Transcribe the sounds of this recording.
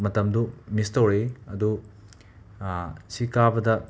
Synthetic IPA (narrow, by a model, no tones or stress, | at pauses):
mɐtɐmdumistɐwɾeɐdu | sikabɐdɐ